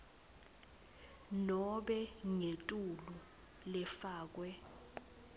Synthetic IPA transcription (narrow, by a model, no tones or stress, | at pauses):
nɔɓɛŋetʼulu | lɛfaːk̬wɛ